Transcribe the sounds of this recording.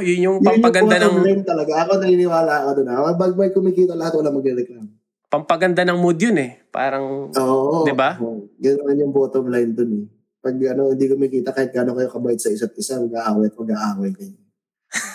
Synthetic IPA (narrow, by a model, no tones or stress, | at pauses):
jʊnjʊŋjɐnpɐɡɐoanoɐŋlajnt̪ːɐlɐɡaʔɐkonɐhɪnɪwaːlɐɐkod̪ʊnɐɐbɐɡ̚bɐjkʊmikiːt̪ɐlɐat̪olaɐmɐɡɾɛɾɛklamo | pɐŋpɐɡɐnd̪anɐŋmod̪jonɛpa̰ːɾɐŋʔoːʔod̪ɪbaoɡɐnɐmanjʊŋpoːt̪omlajnd̪ʊnɛ | pɐɡɐno̞hɪnd̪ikʊmikiːt̪ɐkaːhɪt̪̚ɡaːnokɐjokɐbaɪt̪̚sɐɪsɐt̪̚ɪsamɐɡaʔaːwɐjk̪ɐɡaʔaːwɐjkɐjo